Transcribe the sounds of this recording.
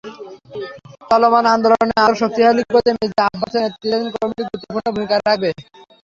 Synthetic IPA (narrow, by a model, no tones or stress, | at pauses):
t̪ɔlomanand̪olooneaɾʃok̚t̪iɦalibod̪emed͡ʑeabːat͡ɕʰenet̪ːɾienkoɾmiʈiɡɾut̪ːopʰunːobʱumikaɾak̚be